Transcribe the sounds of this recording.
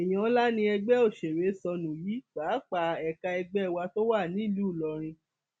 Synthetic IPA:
ɛ˨j̃ã˨˦la˦nĩ˧ɛ˧ɡ͡bɛ˦o˦˨ʃe˨ɾe˨˦sɔ˧nũ˨ji˨˦k͡paː˨˦k͡pa˨ɛ˧ka˧ɛ˧ɡ͡bɛ˦˧wa˧to˦wa˦˨nĩ˨˦˨lu˦˨lɔ˨˧ɾ̃ĩ˧

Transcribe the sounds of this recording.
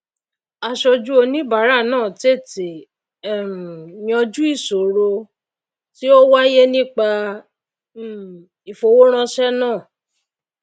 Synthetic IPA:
a˧ʃɔ˧d͡ʒu˦o˧nĩ˦ba˨˦ɾa˦˨nãː˦˨te˦˨te˨ | j̃ɔ̃˧d͡ʒu˦i˦˨so˨ɾo˧ | ti˦o˦wa˦je˦nĩ˦k͡pa˧˦˨ | i˨fo˧˨wo˦ɾ̃ã˧ʃɛ˦nãː˦˨

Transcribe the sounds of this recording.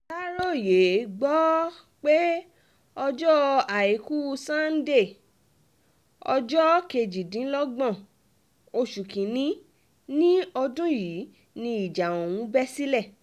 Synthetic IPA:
la˦ɾo˦˨je˨˦ɡ͡bɔ˦ | k͡pe˦ | ɔ˧d͡ʒɔ˦˧a˨i˨ku˦˧sã˦n̩˦de˦˨ | ɔ̰˧d͡ʒɔ˦ke˧d͡ʒi˨dĩ˨˦lɔ˦ɡ͡bɔ̃˦˨ | o˧ʃu˨kĩ˨nĩ˦ | nĩ˦ɔ˧do˦ji˨˦ | nĩ˧i˨d͡ʒa˨o˨w̃ũ˨˦bɛ˦si˦lɛ˦˨

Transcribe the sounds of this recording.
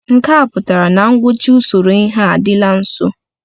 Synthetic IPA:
ŋ̩˦kʰa˦a˨pʰʊ˨tʰa˨ɾa˨nã˨ŋ̩˦ɡʷʊ˦t͡ɕu˦so˨ɾẽ˦ŋ˦ɦa˦a˨dɪ˦la˦n̩˦sʊ̰˦

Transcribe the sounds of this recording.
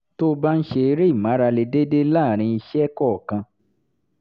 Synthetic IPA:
to˦ba˦n̩˦ʃe˧ɾe˦i˦˨mã˨˦ɾa˧le˧de˦de˦laː˦˨ɾ̃ĩ˧i˧ʃɛ˦kɔ˦˨kã˧

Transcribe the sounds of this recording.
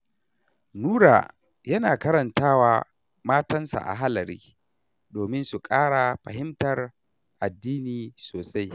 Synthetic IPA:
nuː˦ɽa̰ː˨ | jɐ˦naː˨kɐ˦ɾɐ˨ntaː˦waː˨ | maː˦tɐ˦nsa̰˨ʔa̰˨ɦa˦lɐ˨ɾiː˦ | doː˨mɪ˦nsu˨kʼaː˦ɽa˨ɸɐ˨ɦɪ˦mtɐ˨r | ʔa˨dːiː˦niː˨soː˨sa˦j

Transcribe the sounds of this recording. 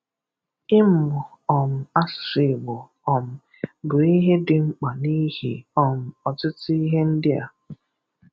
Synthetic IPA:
ɪ˦m̩˨ʊ˨ | ɔ˨m̩˨a˦ssi˨bʊ˨ | ɔ˨m̩˨ | bʊ˨i˦ɦe˦dɪ˨ŋ͡m̩˦k͡pa˨ni˦ɦḭ˨ɔ˨m̩˨ɔ˨tɪ˦ti˦ɦe˦n̩˦dɪ˦a̰˨

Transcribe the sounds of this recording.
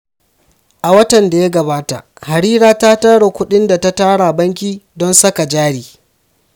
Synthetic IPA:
ʔa˨wɐ˦tɐ˨nda˨ja˦ɡɐ˨baː˦ta̰˨ | ha˨ɾiː˦ɾaː˦taː˦taː˦ɽa˨kʷʊ˦ɗɪ˦nda˨ta˦taː˦ɽa˨bɐ˦ŋk̬ʲiː˦dɔ˦nsɐ˦ka˨d͡ʒaː˦ɽiː˨

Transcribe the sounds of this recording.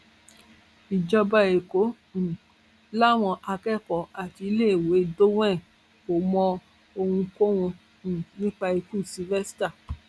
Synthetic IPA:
i˨d͡ʒɔ˧ba˧e˨kõ˨˦˨ | la˦˨w̃ɔ̃˧ʔa˧kɛ˦˨kɔ˨a˨ti˧i˧le˦e˨we˨˦do˦w̃ɛ̃˦˨ | o˨mɔ̃˧ | o˧hũ˧ko˦wũ˧˨ | nĩ˦k͡pa˧e˧ku˦˨si˧vɛ˦sta˦˨

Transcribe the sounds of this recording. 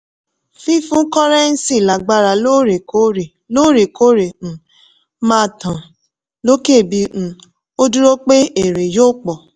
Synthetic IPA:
fi˦fũ˦kɔ˦ɾɛ˦n̩˦si˦˨la˨ɡ͡ba˦ɾa˨lo˦ɾe˨ko˦ɾe˨ | lo˦ɾe˨ko˦ɾe˨ñ̩˨˦ | mã˦˨tã˨ | lo˦ke˦˨bi˧ñ̩˨ | o˦du˦ɾo˦k͡pe˦e˨ɾe˨jo˦k͡pɔ˨

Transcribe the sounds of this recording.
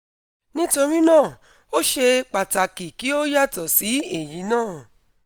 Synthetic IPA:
nĩ˦to˧ɾi˦nãː˦˨ | o˦ʃe˧k͡pa˨ta˨ki˨ki˨˦o˦ja˦˨tɔ˨si˨˦e˦˨ji˨˦nãː˦˨

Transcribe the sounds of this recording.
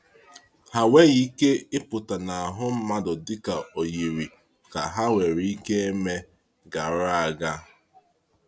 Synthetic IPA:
ha˨we˦ji˦ke˦ɪ˦pʊ˨ta˨na˨a˨ɦʊ˦m̩˦ma˦dʊ˨dɪ˦ka˨o˨ji˨ɾi˨ | ka˨ɦa˦we˨ɾi˦ke˦e˦me˦ | ɡa˨ɾa˦a˨ɡa˦

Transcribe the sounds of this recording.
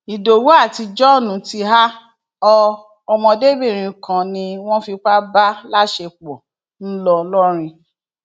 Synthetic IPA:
i˨do˨wu˦a˦˨ti˧d͡ʒɔ˦˨nũ˨ti˧ɦa˦ | ɔ˧ | ɔ˧mɔ̃˧de˦be˦˨ɾ̃ĩ˨˧˨kã˨nĩ˧w̃ɔ̃˦fi˧k͡pa˦ba˦la˦ʃe˧k͡pɔ̰˨ | n̩˦lɔ˧lɔ˦ɾ̃ĩ˧

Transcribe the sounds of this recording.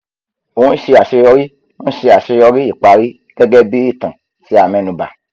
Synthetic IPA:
o˨˦n̩˦ʃe˧a˨ʃe˧jɔ˧ɾi˦ | ñ̩˦ʃe˧a˨ʃe˧jɔ˧ɾi˦i˨k͡pa˧ɾi˦ | ɡ̥ɛ˦ɡɛ˦bi˦ɾi˦˨tã˨ | si˧˦a˨mɛ̃˨˧˨nũ˧ba̰˨

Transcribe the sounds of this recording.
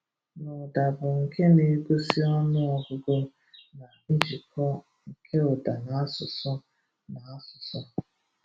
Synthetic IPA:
nʊ˨da˨bʊ˨ŋ̩˨kʰe˦ne˨˦ɡʷo˦si˦ɔ˦nʊ˦ɔ˨ɡʊ˦ɡo˦ | na˨n̩˦d͡ʒi˨kʰɔ˦ | ŋ̩˨kʰe˦ʊ˨da˨na˨˦a˦sʊ˨sʊ˦ | na˨a˦sʊ˨sʊ˦

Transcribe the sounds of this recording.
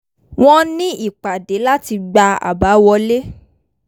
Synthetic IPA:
w̃ɔ̃˦nĩ˦i˦˨k͡pa˨de˨˦la˦ti˧ɡ͡ba˧a̰˨ba˨˦wɔ˧le˦

